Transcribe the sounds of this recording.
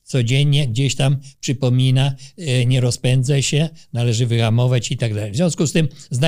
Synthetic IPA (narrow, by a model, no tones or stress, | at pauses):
t̪sɔd͡ʑeɲɲɛɡd͡ʑeɕt̪ampʂɘpɔmʲinaɲɛɾɔspɛnd̪zɛɕɛnalɛʐɘvɘxamɔvat͡ɕit̪aɡd̪alɛjvzʲjɔ̃skust̪ɘmzna